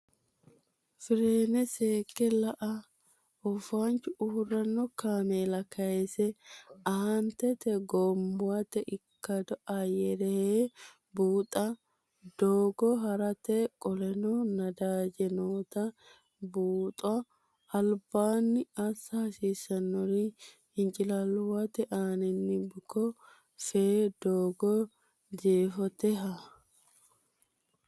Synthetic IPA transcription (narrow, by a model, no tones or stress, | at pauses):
fɪɾeːnɛseːkːɛlɐʔɐ | ɔfaːnt͡ʃʊʊhʊrːɐnːɔkaːmeːlɐkɐjɛsɛɐhɐnt̪ɛt̪ɛɡɔmbʊɐt̪ɛʔɪkːɐd̪ɔʔɐjɛɾɛhe | buːt̪ʼɐ | d̪oːɡɔɦɐɾɐt̪ɛkʼɔlɛnɔnɐd̪aːd͡ʒɛnoːt̪ɐ | buːt̪ʼɐ | ɐlbaːnːɪɐsɐɐsiːsɐnːɔɾi | hɪnt͡ʃʼɪlɐlwɐt̪ɛʔaːnɪnːɪbɪkɔ | feːd̪oːɡɔ | d͡ʒeːfɔt̪ɛɦɐ